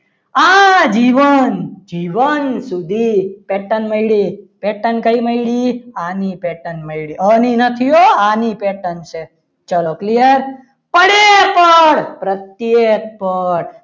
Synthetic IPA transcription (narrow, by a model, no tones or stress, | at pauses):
ad͡ʒiʋənd͡ʒiʋənsud̪ʱipeʈənməjɽipeʈənkəiməiɽianipeʈənməjɭiəninət̪ʰijoanipeʈənʃe | t͡ʃəloklijəɾ | pəɽepəɽpɾət̪jek̚pəɽ